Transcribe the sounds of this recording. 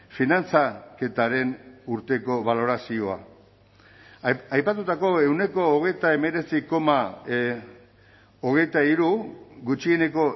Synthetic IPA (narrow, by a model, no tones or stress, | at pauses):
finant͡sake̞t̪aɾe̞nuɾt̪e̞ko̞βalo̞ɾasio̞a̰ | ajpat̪ut̪ako̞e̞wne̞ko̞ːɣ̞e̞jt̪aeme̞ɾe̞t͡siko̞ma | oɣ̞e̞jt̪aiɾuɣut͡ʃie̞ne̞ko̞